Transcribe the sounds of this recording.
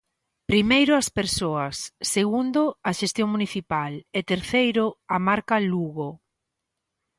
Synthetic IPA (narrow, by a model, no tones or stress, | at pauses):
pɾimejɾʊɐspeɾsoɐsːeɣund̪ʊɐʃest̪joŋmuniθipalɛt̪eɾθejɾʊamaɾkaluɣo